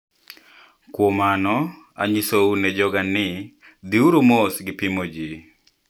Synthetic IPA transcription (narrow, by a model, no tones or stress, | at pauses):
kwɔmanɔ | a̰ɲisounɛd͡ʒɔɡanɪ | d̪iuɾomosɡɪpimod͡ʒi